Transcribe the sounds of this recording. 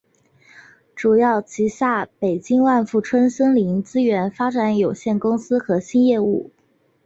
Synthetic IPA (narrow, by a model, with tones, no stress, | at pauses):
ʈ͡ʂu˨˩jɑ˥˩ʊt͡ɕʰi˧˥ɕja˥˩pe˨˩ɪt͡ɕi˥ŋwa˥˧nfu˥˩ʈ͡ʂʰwə˥nɕɤ˥ŋli˧˥ŋt͡sɹ̩˥ɥɛ˧˥nfa˥ʈ͡ʂa˧˥njo˨˩ʊɕjɛ˥˩nkʊ˥ŋsɹ̩˥xɤ˧˥ɕi˥njɛ˥˧ṵ˥˩